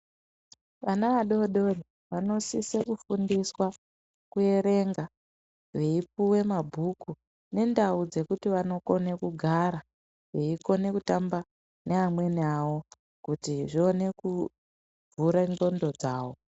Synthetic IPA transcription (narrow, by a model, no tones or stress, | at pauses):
ʋanaʋaɗoɗo̞ri | ʋano̞sisekufundiswa | kue̞ɾe̞ŋɡa | ʋe̞ip̚uwe̞mabʱuku | ne̞ndaud͡ze̞kutiʋano̞ko̞nekuɡʱaɾa | ʋeiko̞ne̞kutamba | neamwe̞nawo̞ | kutiʐione̞ku | vuɾaŋɡo̞ndo̞d͡zaːo̞